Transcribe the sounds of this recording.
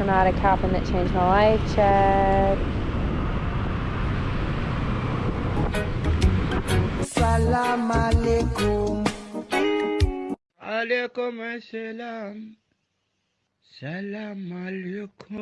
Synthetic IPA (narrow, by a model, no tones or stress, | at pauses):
ə̃naɾəkʰapə̃nðə̰ʔ̚t͡ʃʰẽɪ̃nd͡ʒmaɪlaɪft͡ʃʰɛd | salamalekum | alekumaselam | salamaleku